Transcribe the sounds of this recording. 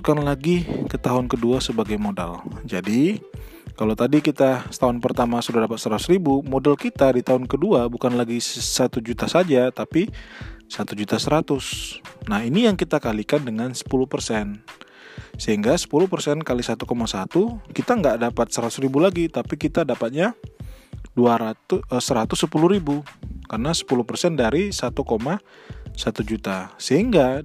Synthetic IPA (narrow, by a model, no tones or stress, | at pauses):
ukanlaɡikət̪aɦʊnkəduasəbaɡajmoda̰ld͡ʒadi | kalawt̪adikit̪asə̥t̪aɦʊnpərt̪amasudahdapat̪̚səɾat̪ʊsribumodalkit̪adit̪aɦʊnkəduabukanlaɡisat̪ud͡ʒut̪asad͡ʒat̪apisat̪ud͡ʒut̪asəɾat̪ʊsnahinijaŋkit̪akalikandəŋansə̥pulʊhpərsɛn | səɦiŋɡasə̥pulʊhpərsɛnkalisat̪ukomasat̪ukit̪aŋɡaʔdapat̪̚səɾat̪ʊsɾibulaɡit̪apikit̪adapat̪̚ɲa | duaɾat̪səɾat̪ʊsːəpuluhɾibukarnasə̥pulʊhpərsɛndaɾisat̪ukomasat̪ud͡ʒut̪asəɦiŋɡa